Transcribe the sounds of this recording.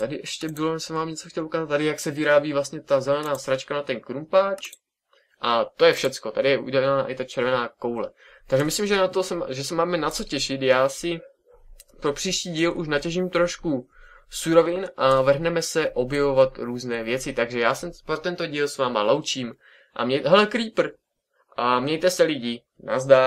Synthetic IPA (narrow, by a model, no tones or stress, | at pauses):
t̪adɪʔɛʃcɛbɪloɛsɛmvaːmɲɛt͡so̞xcɛlʔukaːzat̪ːadɪjaksɛvɪɾaːbiːvlast̪ɲɛt̪azɛlɛnaːsɾat͡ʃkanat̪ɛnkɾumpaːt͡ʃ | ʔat̪o̞jɛfʃɛt͡sko̞t̪adɪjɛʔṵɟɛlaa̰ɪt̪at͡ʃɛɾvɛnaːko̞wlɛ̰ | t̪aɡʒɛmɪslimʒɛnat̪osɛʒɛsɛmaːmɛnat͡so̞cɛʃɪt̪jaːsɪ | pɾo̞pr̥iːʃciːɟiːlʔuʃnacɛʒimt̪ɾoʃkusuɾo̞vɪnʔavɦnɛmɛsɛʔo̞bjɛvo̞vat̪ɾuːznɛːvjɛt͡sɪt̪aɡʒɛjaːsɛmpɾot̪ɛnt̪o̞ɟiːlsvaːmalo̞wt͡ʃiːm | ʔa̰mɲɛjɦɛlɛkɾiːpr̩ | ʔamɲɛjt̪ɛsɛlɪɟɪ | na̰zda